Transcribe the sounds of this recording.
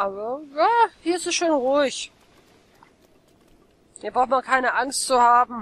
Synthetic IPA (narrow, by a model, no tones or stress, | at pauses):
ʔaːbɐjaːhiːɐɪstɛsʃoːnʁuɪç | ibʁaʊxmankʰaɪnəʔaŋstt͡suhaːbm̩